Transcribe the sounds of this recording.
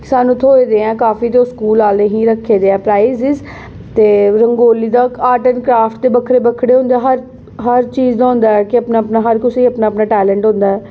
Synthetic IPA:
kɪ̥saːnũːt̪ʰoːeːd̪eːɛ̃ːkaːfiːt̪oːskuːlaːld̪ẽːɦĩːɾəkʰːeːd̪eːɛ̃ːpɾaːɪzɪz | t̪eːɾəŋɡoːliːd̪aːaːʈənkɾaːfʈt̪eːbəkʰɾeːbəkʰɽeːɦʊ̃nd̪eːɦəɾ | ɦəɾt͡ʃiːzd̪aːɦʊ̃nd̪aːɛːkɪəpnaːəpnaːɦəɾkʊseəpnaːpnaːʈɛːlɛ̃ːɳʈɦʊ̃nd̪aːɛː

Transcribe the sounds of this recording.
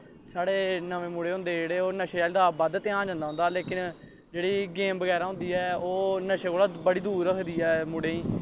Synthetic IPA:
saːɽeːnəʋẽːmuːɽeːɦʊ̃nd̪eːd͡ʒeːɽeːoːnəʃeaːld̪aːbəd̪t̪ɪãːd͡ʒãːnd̪aːɦʊnd̪aːleːkɪn | d͡ʒeːɽiːɡeːmbəɡɛːɾaːɦʊ̃nd̪iːɛːoːnəʃeːkoːlaːbəɽiːd̪uːɾəkʰd̪iːɛːmuːɽeːĩː

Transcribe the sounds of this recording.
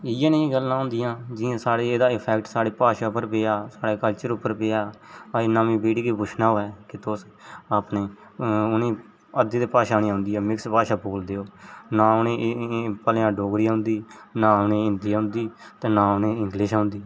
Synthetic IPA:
ɪjãːnẽːɡəlːãːɦʊ̃ːnd̪ɪjãːd͡ʒɪãːsaːɽeːeːd̪aːɪpʰɛːkʈsaːɽeːpaːʃaːʊpəɾpeːaːsaːɽeːkəlt͡ʃəɾʊpːəɾpeːaːenaːmĩːbeːɽiːkiːbʊt͡ʃʰnãːɦoːɛːkɪt̪ʊːs | aːpneː | ʊnẽː | əd̪iːd̪eːpaːʃaːnĩːaːʊ̃nd̪iːɛːmɪkspaːʃaːboːld̪eːoːnãːʊnẽːpəlːãːɖoːɡɾiːaːɦʊ̃nd̪iːnãːʊnẽːɪnd̪iaːɦʊ̃nd̪iːt̪eːnaːʊnẽːɪ̃ŋɡlɪʃãʊːnd̪iː

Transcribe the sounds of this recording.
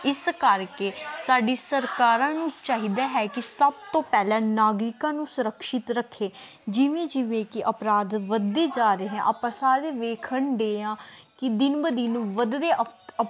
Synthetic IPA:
ɪskəɾkeːsaːɖeːsəɾkaːɾãːnũːt͡ʃaːɦiːd̪aːɦɛːkɪsəb̚t̪õːpɛːlãːnaːɡɾɪkãːnũːsʊɾəkʃɪt̪ɾəkʰːeː | d͡ʒɪʋẽːd͡ʒɪʋẽːkɪʔəpɾaːd̪ʋəd̪ːeːd͡ʒaːɾeɦɛ̃ʔəpãːsaːɾeːʋeːkʰəɳɖeːãːkɪd̪ɪnbəd̪iːnũːʋəd̪deːə

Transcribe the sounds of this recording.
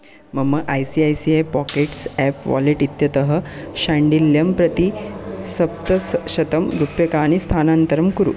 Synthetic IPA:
məməʔajsiajsiejpɔkeʈsæpʋɔ̰leʈit̪jɐt̪əɦəɕaɳɖiljəmpɾɐt̪isɐp̚t̪əsɕɐt̪əmɾupjəkaːɽ̃ist̪ʰanant̪əɾəmkuɾṵː

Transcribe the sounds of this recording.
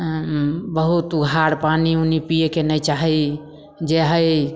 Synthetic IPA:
bəɦut̪uɡʱaɾpaniunipijekenəjt͡ʃaɦɛ | d͡ʒeɦəj

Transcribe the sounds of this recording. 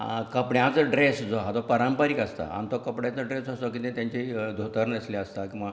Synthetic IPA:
kəpɽjãt͡səɖɾesd͡zoɦat̪ɔpəɾəmpəɾikəst̪a̰a̰nt̪ɔkəpɽjat͡səɖɾesɦəst̪ɔk̬it̪ẽt̪jãɲt͡ɕed̪ʱot̪əɾnəsleəst̪akĩʋa

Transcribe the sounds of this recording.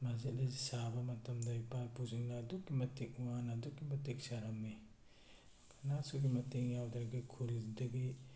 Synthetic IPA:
mazit̚lesabɐmɐtɐmdɐipapuziŋnɐːdukːimɐtek̚uŋanɐːdukːimɐteksaɾamni | kʰanasuɡimɐteŋjawdɾɡikʰuɾidɐɡi

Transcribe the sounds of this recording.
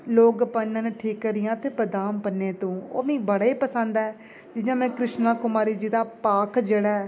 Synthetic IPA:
loːɡpənːãːnʈʰiːkːəɾɪjãːt̪eːpəd̪aːmpəneːt̪õːo̰ːmĩːbəɽaːiːpəsə̃nd̪ɛː | d͡ʒɪjãːmɛ̃ːkɾɪʃnãːkʊmaːɾiːd͡ʒiːd̪aːpaːkʰd͡ʒəɽaː

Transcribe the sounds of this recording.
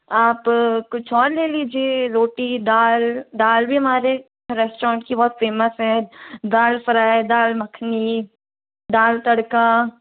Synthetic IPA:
aːpkʊt͡ʃʰɔːɾleːliːd͡ʒieɾoːʈid̪aːld̪aːlbʱiɦɐmaːɾe | ɾɛːsʈɾɔːɳʈkibɔːt̪feːməsɦɛ̃d̪aːlfɐɾaːed̪aːlmɐkʰni | d̪aːlt̪ɐɽka

